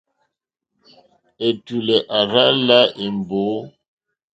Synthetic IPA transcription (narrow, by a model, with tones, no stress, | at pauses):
e˨tu˨lɛ˨ʔa˨ɾa˦la˦ʔe˨m˨bo˨˦